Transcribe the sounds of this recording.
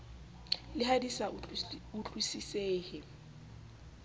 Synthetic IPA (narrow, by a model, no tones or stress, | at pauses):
lɪɦadisauɬwisiseːhɪ